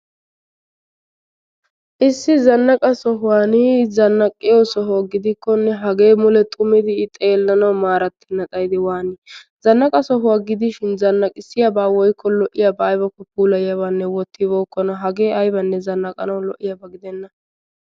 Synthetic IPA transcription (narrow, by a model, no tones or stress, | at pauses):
ʔɪsːɪzɐnːɐkʼɐsɔɦʊwaːnɪzɐnːɐkʼːɪjɔsɔɦɔɡɪd̪ɪkːɔnːɛɦɐɡe̞ːmʊlɛt̪ʼʊmɪd̪ɪt̪ʼe̞ːlːɐnɐwmaːɾɐt̪ːɪnːɐt̪ʼɐjd̪ɪwaːnɪz̥ɐnːɐkʼɐsɔɦʊwaɡɪd̪ɪʃɪnzɐnːɐkʼɪsːɪjɐbaːwɔjkʰːɔlɔʔːɪjabɐːjbɐkːɔpuːlɐjɐβaːnːɛwɔt̪ːɪboːkːɔnɐɦɐɡe̞ːɐjbɐnːɛzɐnːɐkʼɐ̰nɐwlɔʔːɪjɐbɐɡɪd̪ɛnːɐ